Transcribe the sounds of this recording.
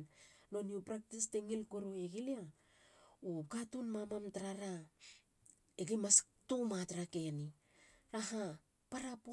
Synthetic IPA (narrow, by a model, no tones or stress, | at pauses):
nlo̞niupɾak̚tisteŋilkoɾoeɡilia | ukatunmamamtaɾaɾa | eɡimas | tumatɾake̞ni | ɾaɦa | paɾapo